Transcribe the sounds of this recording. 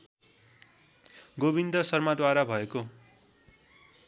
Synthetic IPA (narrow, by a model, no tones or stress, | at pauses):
ɡobind̪ʌsʌrmad̪waɾabʱʌeko